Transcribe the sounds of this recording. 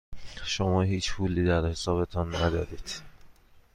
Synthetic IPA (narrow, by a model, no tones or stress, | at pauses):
ʃomɒːɦiːt͡ʃpʰuːlːiːd̪æɾhe̞sɒːβe̞t̪ʰɒnːæd̪ɒːɾiːd̪̥